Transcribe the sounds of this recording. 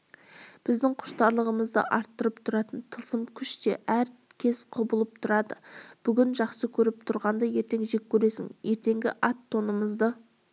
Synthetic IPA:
b̥ɪzd̪ɪŋqʰʊ̥ʃt̪ɑɾlˠəʁəməzd̪ə̰ʔɑɾt̪ːəɾəp̚t̪ʰʊɾɑt̪ənt̪ʰəlˠsəmkʲʰʏʃt̪e̞ʔæɾ | kʲʰe̞sqʰʊbəlˠəp̚t̪ʰʊɾɑd̪əb̥ʏɡʲɪnʒɑqsəkʲʰɵɾɪp̚t̪ʰʊɾʁɑnd̪əje̞ɾt̪e̞ŋʒe̞kʲʰːɵɾe̞sɪ̰ŋje̞ɾt̪e̞ŋɡʲɪ̰ʔɑt̪ʰːo̞nəməzd̪ə

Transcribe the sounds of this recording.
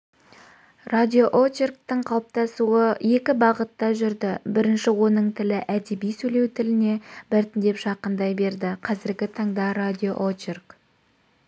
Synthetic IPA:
rad̪ʲioʔot͡ʃerk̚t̪əɴqʰɑlˠəp̚t̪ɑsuəje̞kʲɪbɑʁət̪ːɑʒʏɾd̪ɪbɪɾɪnʃɪwo̞nəɴt̪ʰɪlɪʔæd̪ebijsɵle̞wt̪ʰɪlɪne̞bɪɾt̪ɪnd̪e̞pʒɑqənd̪ɑjbe̞ɾd̪ɪqʰɑzɪɾɡʲɪt̪ʰɑɴd̪ɑɾad̪ʲijoʔot͡ʃerk

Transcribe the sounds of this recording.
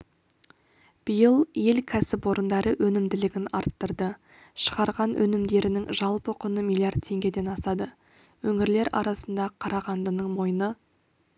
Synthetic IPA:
b̥əjəlˠje̞lkʲʰæsɪpwo̞ɾənd̪ɑɾəwʔɵnɪmd̪ɪlɪɡʲɪnɑɾt̪ːəɾd̪ə | ʃə̥ʁɑɾʁɑnwʔɵ̰nɪmd̪e̞ɾɪnɪŋʒɑlˠpəqʰʊnəmʲilʲˠijard̪̚t̪ʰːe̞ŋɡʲe̞d̪e̞nɑsɑd̪ə | wɵŋɪɾle̞ɾɑ̰ɾɑsənd̪ɑqʰɑɾɑʁɑnd̪ənəɴmo̞jənə

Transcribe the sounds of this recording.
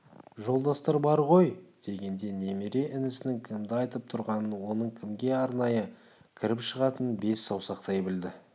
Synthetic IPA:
ʒo̞lˠd̪ɑst̪ɑɾbɑɾʁo̞jd̪̥e̞ɡʲe̞nd̪e̞ne̞meɾe̞ʔɪnɪsɪnɪŋkʲʰɪmd̪ɪɑjt̪əp̚t̪ʰʊɾʁɑnənwo̞nəɴkʲʰɪmɡʲe̞ɑɾnɑjə | kʲʰɪɾɪpʃəʁɑt̪ənbe̞sːɑwsɑqt̪ɑjbɪld̪ɪ

